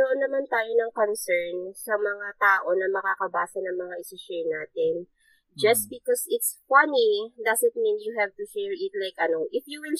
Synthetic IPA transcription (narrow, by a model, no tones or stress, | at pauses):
d̪oʔonːɐmant̪aːjonɐŋkonsɛɹnsɐmɐŋat̪aːʔo̞nɐmɐkaːkɐbaːsɐnɐŋmɐŋaʔɪsɪʃɛɹnaːt̪ɪn | d͡ʒɐsbɪkɔsɪt̪sfɐnid̪ɐsɪt̪̚mĩnjuɦɛvt̪uʃɛɹɪt̪lajkɐnoʔɪfjuwɪl